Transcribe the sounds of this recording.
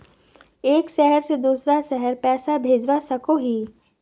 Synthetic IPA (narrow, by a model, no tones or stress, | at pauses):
eːkʃɛɦəɾsed̪uːsɾaʃɛɦəɾpɛːsabʱeːd͡ʒʋasɐkoɦiː